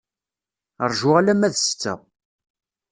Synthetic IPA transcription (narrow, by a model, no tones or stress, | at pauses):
əɾˤʒʊʁalæmæðsə̥t͡sːə̰